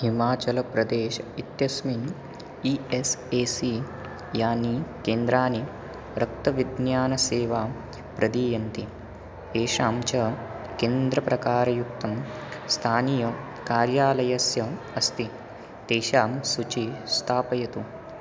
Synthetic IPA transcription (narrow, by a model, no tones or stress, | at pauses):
himaːt͡ʃɐlɐpɾɐd̪eːʃɐit̪jɐsmin | ieseːsi | jaːnikeːnd̪ɾaːni | ɾɐk̚t̪ɐʋid̪njaːnɐseːʋaː | pɾɐd̪iːjɐnt̪i | t̪eːʃaːmt͡ʃɐ | keːnd̪ɾɐpɾɐkaːɾɐjuk̚t̪ɐmst̪ʰaːnijɐ | kaːɾjaːlɐjɐsjɐm | ɐst̪i | t̪ɛːʃaːmsut͡ʃist̪ʰaːpɐjɐt̪u